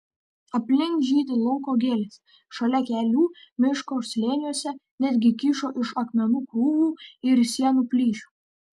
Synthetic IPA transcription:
ɐpʲlʲɪŋkʒʲiːt̪ʲɪlˠʊŋkoːɡʲeːlʲesʲ | ʃɐlʲɛkʲæːlʲuːmʲɪʃkoːsʲlʲeːnʲuɔsʲɛnʲæd̪ʲɡʲɪkʲiʃoːʔɪʃɐkmʲɛnuːkɾuːʋuːɪɾsʲiɛnuːpʲlʲiːʃʲu̥ː

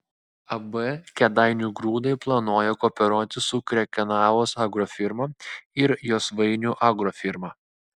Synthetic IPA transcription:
ɐbɛkʲɛd̪ɐɪnʲuɡɾuːd̪ɐɪplˠɐnoːjɛkoːpʲɛɾuːt̪ʲɪsʊkɾʲɛkʲɛnɑːʋoːsɑɡɾoːfʲɪɾmɐɪɾjoːsʋɐɪnʲuːʔɑɡɾofʲɪɾmɑː

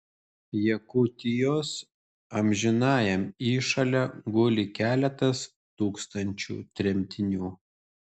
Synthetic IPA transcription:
jɛkʊt̪ʲɪjoːs | ɐmʲʒʲɪnɑːjɛmiːʃɐlʲɛɡʊlʲɪkʲæːlʲɛt̪ɐs | t̪uːkst̪ɐnʲt͡ʃʲṵːt̪ʲɾʲɛmʲt̪ʲɪnʲuː

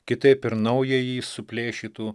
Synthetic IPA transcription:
kʲɪt̪ɐɪpɪɾnɐʊjejiːsʊpʲlʲeːʃʲiːt̪uː

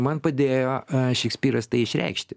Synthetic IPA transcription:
mɐnpɐd̪ʲeːjoːʃʲɛksʲpʲiːɾɐst̪ɐɪɪʃʲɾʲɛ̰ɪkʃʲt̪ʲɪ

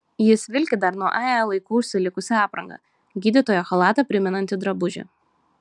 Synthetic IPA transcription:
jɪsʋʲɪlʲkʲɪd̪ɐɾnuɔʔɑːɛlˠɐɪkuːʃʲsʲɪlʲɪkʊsʲɛɑːpɾɐŋɡɐ̰ | ɡʲiːd̪ʲɪt̪oːjoːxɐlˠɑːt̪ɐpʲɾʲɪmʲɛnɐnʲt̪ʲɪd̪ɾɐbʊʒʲɛ̰

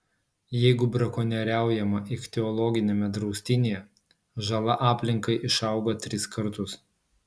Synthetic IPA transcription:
jɛɪɡʊbɾɐkɔnʲɛɾʲæˑʊjɛmɐʔɪkt̪ʲɛɔlˠɔɡʲɪnʲemʲɛd̪ɾɒʊsʲt̪ʲɪnʲeːjɛ | ʒɐlˠɐʔɑːpʲlʲɪŋkɐɪʔɪʃɑˑʊɡot̪ʲɾʲɪskɐɾt̪ʊs

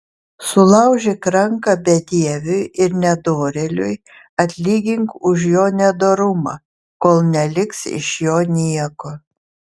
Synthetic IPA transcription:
sʊlˠɐʊʒʲekɾɐŋkɑbʲɛd̪ʲiɛʋʲʊjɪɾnʲɛd̪oːɾʲelʲʊj | ɐt̪ʲlʲiːɡʲɪŋkʊʒjoːnʲɛd̪oːɾʊmɑ̰ | koːlˠnʲɛlʲɪksɪ̰ʃjoːnʲiɛkoː

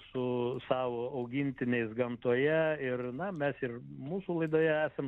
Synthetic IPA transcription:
sʊsɑːʋoːɐʊɡʲɪnʲt̪ʲɪnʲɛɪsɡɐmt̪uɔjɛɪrnɐmʲɛsɪrmuːsulˠɐɪd̪oːjɛæːsɐm

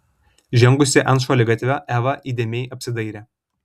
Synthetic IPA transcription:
ʒʲɛŋɡʊsʲɪʔɐnʃoːlʲɪɡɐt̪ʲʋʲoːʔæːʋɐʔiːd̪ʲeːmʲɛɪʔɐpʲsʲɪd̪ɐɪɾʲɛː

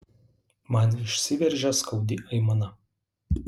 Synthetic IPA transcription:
mɐnɪʃʲsʲɪʋʲɛɾʲʒʲɛskɒʊd̪ʲɪʔɐɪmɐnɐ

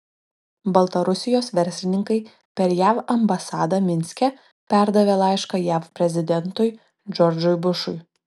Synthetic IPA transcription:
bɐlˠt̪ɐɾʊsʲɪjoːsʋʲɛɾʲsʲlʲɪnʲɪŋkɐɪ | pʲɛɾjæːʋɐmbɐsɑːd̪ɐmʲɪnʲsʲkʲɛ | pʲæˑɾd̪ɐʋʲeːlˠɑɪʃkɐjæːfpʲɾʲɛzʲɪd̪ʲɛnt̪ʊj | d͡ʒʲɔɾʲd͡ʒʊjbʊʃʊj

